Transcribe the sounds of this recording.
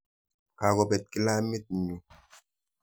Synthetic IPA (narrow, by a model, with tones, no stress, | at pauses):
ka˨ɡɔ˨bɛ˨t̚ki˦la˦mi˦t̚ɲu˨